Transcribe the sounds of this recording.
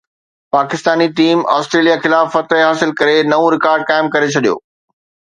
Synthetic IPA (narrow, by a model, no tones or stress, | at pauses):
paːkɪst̪aːniʈiːma̰ːsʈɾeːlijaxɪlaːfːɐt̪əɦɦaːsɪlkɐɾenɐõɾɪkaːɾɖ̚kaːɪ̃mkɐɾet͡ɕʰɐɗijo̰ː